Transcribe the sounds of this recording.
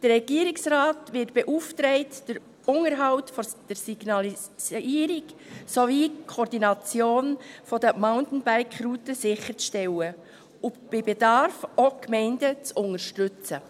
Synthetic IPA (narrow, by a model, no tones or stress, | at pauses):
d̥ərɛɡiːɾɪksɾaːtvɪtb̥eʔuftɾɛɪtd̥əɾ | ʊŋəɾɦɑʊtfɔd̥əɾsiɡ̥nɑli | iːɾiksoviːkʰɔɾdinɑt͡sjoːnfɔdəmaʊntn̩bæɪkχrutəsɪχəɾt͡sʃtɛwə | ʊb̥ɪbedɑɾfokmɛɪndət͡sʊŋəɾʃtʏt͡sə